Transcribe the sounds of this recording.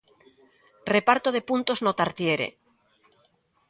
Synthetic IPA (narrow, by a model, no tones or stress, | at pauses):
repaɾt̪oð̞epunt̪oznot̪aɾt̪jeɾḛ